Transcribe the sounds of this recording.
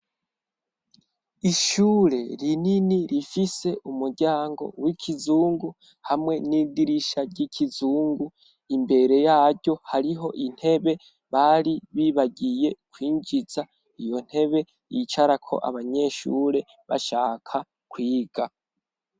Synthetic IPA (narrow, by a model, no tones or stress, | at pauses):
iʃuːɾe̞ɾininiɾifise̞ʔumuɾɟaːŋɡo̞̰wikʰizuːŋɡu | hamŋe̞nidiɾiʃaɾɟicʰizuːŋɡu | imbe̞ɾe̞jaːɾɟo̞haɾiɦo̞ʔin̥he̞βe̞ | βaɾiβiːβaɟije̞kwiːɲd͡ʒiza | ijo̞n̥he̞βe̞ | jit͡ʃaɾakʰo̞̰ʔa̰βaɲe̞ʃuːɾe̞ | βa̰ʃaːkʰa | kwiːɡ̥a